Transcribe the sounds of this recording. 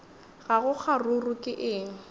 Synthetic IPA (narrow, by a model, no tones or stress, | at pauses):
ɣaɣʊk͡xʰarurʊkʼɪʔɪːŋ̩